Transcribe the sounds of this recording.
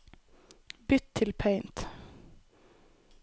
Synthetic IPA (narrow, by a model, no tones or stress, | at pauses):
bʏt̪ʰɪlpʰeɪnt̪